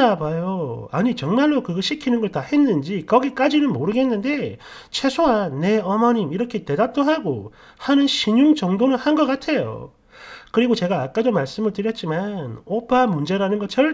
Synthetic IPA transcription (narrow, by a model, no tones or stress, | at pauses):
abajoa̰ɲit͡ɕʌŋmaɭːokɯɡʌɕʰikʰinɯnɡʌɭtahe̞nːɯnd͡ʑikʌɡik͈ad͡ʑinɯnmoɾɯɡe̞nːɯnde̞t͡ɕʰe̞sʰoanːe̞ʌmʌɲimiɾʌkʰe̞te̞dap̚t͈oɦaɡo̰ | hanɯnɕʰiɲuŋt͡ɕʌŋdonɯnhanɡʌk͈atʰe̞jo̰ | kɯɾiɡot͡ɕe̞ɡaːk͈adomaɭs͈ɯmɯɭtɯɾjʌt̚t͡ɕ͈imanopʰamund͡ʑe̞ɾanɯnɡʌt͡ɕʌɭ